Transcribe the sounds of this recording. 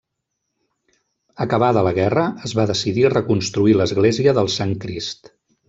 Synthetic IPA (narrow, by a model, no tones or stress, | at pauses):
əkəβ̞aðələɣɛrəəzβaðəsiðirəkunst̪ɾuiləzɣleziəðəlˠsaŋkɾist̪